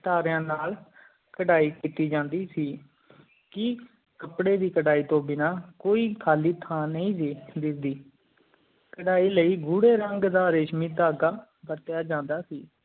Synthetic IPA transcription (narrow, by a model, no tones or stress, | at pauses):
ʈaːɾjãːnaːl | kəɖaːiːkit̪iːd͡ʒãːnd̪iːsiː | kɪ | kəpɽeːd̪iːkəɽaːiːt̪õːbɪnaːkoːiːkʰaːliːt̪ʰãːnəĩːsid̪ɪsd̪iː | kəɽaːiːləiːɡuːɽeːɾəŋɡd̪aːɾeːʃmiːt̪aːɡaː | bəɾt̪ɪjaːd͡ʒãːnd̪aːsiː